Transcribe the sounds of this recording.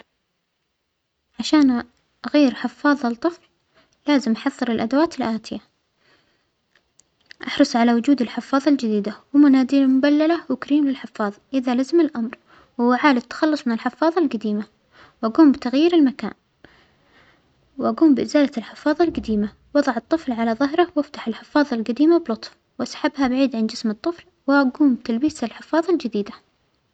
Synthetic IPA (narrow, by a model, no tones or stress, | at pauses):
ʕaʃaːn | ʔaɣajːɪɾħɪfːɑːðˤɑlt̪ˤːɨfl | laːzɪmʔaħɑðˤːɨɾɪlʔad̪awaːt̪ɪlʔaːt̪ɪja | ʔɑħɾˤɨsˤʕalawʊd͡ʒuːd̪ɪlħɪfːɑːðˤɑld͡ʒɪd̪iːd̪awɪmʊnaːd̪iːlmʊbalːalawɪkaɾiːmlɪlħɪfːɑːðˤʔɪðalazɪmɪlʔamɾ | wwːaʕaːlɪt̪ːḁxɑlːʊsˤmɪnɪlħɪfːɑːðˤɑlɡad̪iːma | wʔaɡuːmbɪt̪aɣjiːɾɪlmaka̰ːn | wʔaɡuːmbɪʔɪzaːlaɪlħɪfːɑːðˤɑlɡad̪iːma | wɑðˤɑʕɨt̪ˤːɨflʕalaðˤɑɦɾɑwaft̪aħɪlħɪfːɑːðˤɑlɡad̪iːmabɪlʊt̪ˤf | wʔasħabːɦabaʕiːd̪ʕand͡ʒɪsmɨt̪ˤːɨfl | wɪʔaɡuːmbɪt̪albiːsalħɪfːɑːðˤɑld͡ʒɪd̪iːd̪a